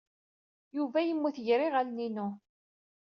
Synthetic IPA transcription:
juvæjəmːuθʝɾiʁalninu

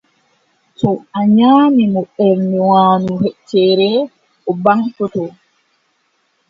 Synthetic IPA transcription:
tɔaɲaːmimɔɓɛɾmiwaːnuhɛt͡ʃːɛːɾɛ | ɔbaŋkɔtɔ

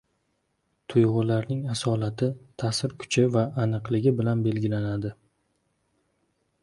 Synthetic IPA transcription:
t̪ʰʊjʁʊlaɾnɪŋasɒlat̪ʰɪt̪ʰasɪɾkʰʊ̥t͡ʃʰɪvaːnɨqlɪɡʲɪbɪlanbe̞lɡʲɪlanad̪ɪ

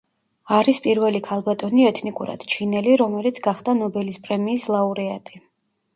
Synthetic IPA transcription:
aɾispʼiɾvɛlikʰalˠbat̪ʼɔniɛt̪ʰnikʼuɾa̰d̪̥t͡ʃʰinɛliɾɔmɛlit̪sʰɡaχd̪anɔbɛlispʼɾɛmiːslˠauɾɛat̪ʼi

